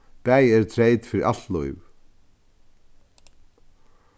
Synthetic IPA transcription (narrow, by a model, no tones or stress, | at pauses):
pæːjɛɾ̥t̪ʰɾeːjt̪fɪɾɪɾʔa̰t̪lɔjv